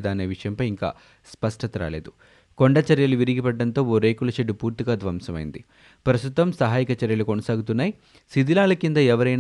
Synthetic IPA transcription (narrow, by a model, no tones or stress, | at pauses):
d̪aːneːʋiʂɐjɐmpɐjiŋka̰ː | spɐʂʈɐt̪ɐɾa̰ːle̞ːd̪u | koɳɖɐt͡ʃɐɾjɐluʋiɾiɡipɐɖːɐnt̪o̞ːoːɾe̞ːkulɐʃeɖːupuːɾt̪iɡaːd̪ʋɐmsɐmɐ̰jḭnd̪i | pɾɐst̪ut̪ɐmsɐɦaːjikɐt͡ʃɐɾjɐlukonɐsaːɡut̪unːaːji | sid̪ilaːlɐkind̪ɐɛʋɐɾɐjn